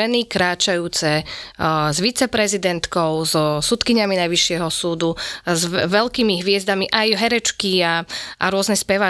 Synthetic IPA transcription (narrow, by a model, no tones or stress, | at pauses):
ɛnikɾaːt͡ʃajuːt͡sɛ | zʋit͡sɛpɾɛzid̪ɛnt̪kɔʊzɔsut̪kiɲaminajʋiʃɪɛɦɔsuːd̪uzʋɛlkiːmiɦʋɪɛzd̪amiʔajɦɛɾɛt͡ʃkiaʔa̰ɾʊɔznɛspɛʋa